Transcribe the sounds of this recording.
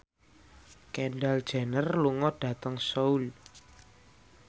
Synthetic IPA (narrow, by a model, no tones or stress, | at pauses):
kɛɳɖald̥ʒ̥a̤nərluŋɔɖ̥ä̤t̪əŋsoul